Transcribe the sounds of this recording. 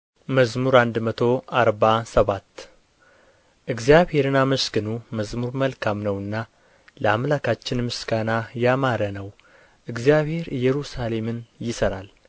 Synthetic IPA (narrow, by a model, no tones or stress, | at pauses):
məzmuɾand̪mət̪ʰo̞ʔaɾbasəβat̪ː | ʔɨɡzjaβhe̞ɾɨnːaməskɨnuməzmuɾməlkʰamnəwɨnːa | ləamlakʰat͡ʃːɪnmɨsɡanajamaɾənəw | ʔɨɡzijaβhe̞ɾɨjɛɾusale̞mɨnjɪsəɾal